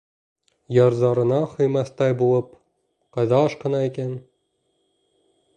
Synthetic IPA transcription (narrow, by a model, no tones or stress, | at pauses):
jɑɾzɑɾɤ̆nɑhŏjmɑθt̪ɑjbulˠɤp | qɑjðɑːʃqɤ̆nɑikæn